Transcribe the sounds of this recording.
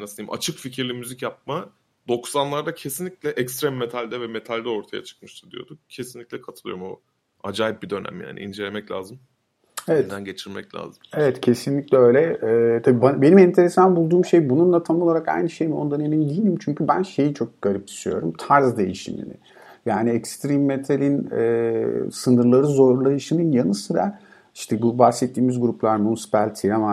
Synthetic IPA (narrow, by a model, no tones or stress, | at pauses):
nasɯijimʔa̰t͡ʃʰɯkficʰiɾlʲimyzicjap̚ma | d̪̥o̞ksanlˠaɾd̪acʰe̞sinlʲicʲlʲɛʔɛkst̪ɾɛmːet̪ʰalʲd̪ɛvɛme̞t̪ʰalʲd̪ɛo̞ɾt̪ʰaja̰t͡ʃʰɯ̥k̚mɯʃt̪ʰɯd̪ijo̞̰d̪ucʰe̞sinlʲiclʲɛkʰat̪ʰɯlˠɯjoɾumo | ad͡ʒaːjip̚bid̪ø̞næ̰mja̰ːniʔḭnd͡ʒe̞lʲe̞mɛclʲaːzɯm | evɛd̪ænɟe̞t͡ʃʰiɾmɛclʲa̰ːzɯmevɛt̪cʰe̞sinlʲiclʲɛø̞jlʲɛɛːt̪ʰabiːbabe̞nimɛnt̪ʰe̞ɾe̞sanbulˠd̪uːmʃe̞jbununlˠat̪ʰanolˠaɾaka̰jnɯʃejmiond̪aneminid̪ijilʲimt͡ʃʰyɲcʰybænʃe̞jit͡ʃʰo̞k̚ɡ̥aɾʲip̚t͡ʃʰi̥ʃyjo̞̰ɾumt̪ʰaɾzd̪e̞̰jḭʃḭmḭnɪ̰ | jaːniɛkst̪ɾimːet̪ʰalʲin̰ː | sɯnɯɾlˠaɾɯzo̞ɾlˠajɯʃɯnɯnjanɯsɯɾa̰ | iʃt̪ʰɛbubaxsɛt̪ʰːiːmizɡuɾuplˠaɾmunisi̥palʲt̪ʰiama